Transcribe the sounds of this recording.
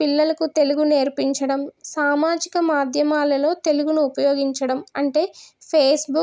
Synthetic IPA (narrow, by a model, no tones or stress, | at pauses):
pilːɐlɐkut̪e̞luɡune̞ːɾpiɲt͡ʃɐɽɐmsaːmaːd͡ʒikɐmaːd̪ʱjɐmaːlɐlo̞ːt̪e̞luɡunuːpɐjoːɡiɲt͡ʃɐɽɐmɐɳʈe̞ːpʰeːsbu